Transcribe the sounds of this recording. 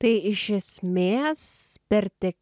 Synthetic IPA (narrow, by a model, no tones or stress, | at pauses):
t̪ɐɪɪʃʲɛsʲmʲeːspʲɛɾʲt̪ʲɛk